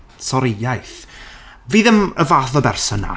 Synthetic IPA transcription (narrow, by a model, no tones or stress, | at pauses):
sɔɾɪjajθ | viːðəməvaːθɔbɛrsɔna̰